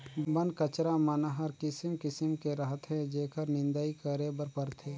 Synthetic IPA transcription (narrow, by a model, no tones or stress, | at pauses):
bənkət͡ʃɾamənɦəɾkɪsɪmkɪsɪmkeɾəɦət̪ɦɛ̃d͡ʒeːkəɾnɪ̃nd̪aikəɾebəɾpəɾt̪ʰeː